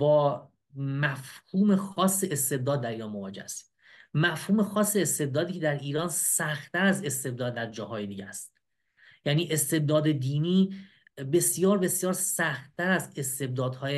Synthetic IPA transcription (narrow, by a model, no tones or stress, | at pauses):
bɒː | mæfhuːme̞xɒːsːe̞est̪e̞b̚d̪ɒːd̪̚ːæɾiːɾɒːnmovɒːd͡ʒḛhæst̪i̥ | mæfhuːme̞xɒːsːe̞est̪e̞b̚d̪ɒːd̪iːcʰed̪æɾʔiːɾɒːnsæxt̪ːæɾæze̞st̪e̞b̚d̪ɒːd̪ːæɾd͡ʒɒːhɒːjed̪iːɟæst̪̚ | jæniːʔest̪e̞b̚d̪ɒːd̪ed̪iːniː | be̞sjɒːɾbe̞sjɒːɾsæxt̪t̪ːæɾæzest̪e̞b̚d̪ɒːd̪hɒːje